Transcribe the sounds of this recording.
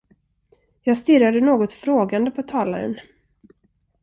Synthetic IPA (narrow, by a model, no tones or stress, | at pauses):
jɑːɡst̪ɪɾad̪ənoːɡɔt̪fɾoːɡand̪əpʰɔt̪ʰɑːla̰ɾə̰n